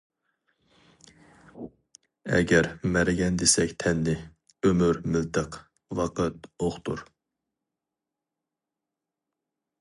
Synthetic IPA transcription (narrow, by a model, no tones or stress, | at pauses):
ɛ̰ɡʲɛɾmæɾɪɡʲɛnd̪esɛkʲt̪ʰɛnːɪ | ømyɾmɪlt̪ʰəq | wɑqət̪̚oχt̪ʰuɾ